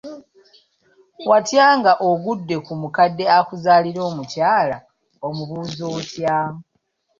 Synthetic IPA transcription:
watjaːŋɡaʔoɡudːe̞kumukadːe̞akuzaːliɾo̞ːmucaːla | omuβuzoːtjaː

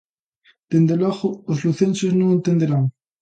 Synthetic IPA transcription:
d̪̥end̪elaɣoozluθensoznõŋent̪end̪eɾaŋ

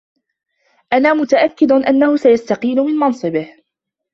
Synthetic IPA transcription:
ʔanaːmʊt̪aʔakːɪd̪ʊʔanːahʊsajast̪aqiːlʊmɪnmɑnsˤɨbɪh

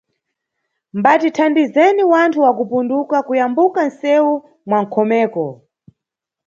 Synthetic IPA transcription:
mbatitʰandizɛniwantʰuwakupundukakujambukansɛwu | mwaŋ̩kʰɔmɛːkɔ

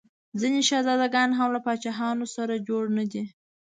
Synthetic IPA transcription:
zineʃazɑd̪aɡɑnɦamlapɑt͡ʃɑɦɑnosaɾad͡ʒoɽnad̪i

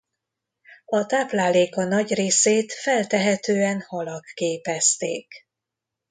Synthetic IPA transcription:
ɒt̪aːplaːleːkɒnɒɟreːseːt̪fɛlt̪ɛɦɛt̪øːɛnhɒlɒkːeːpɛst̪ḛːk

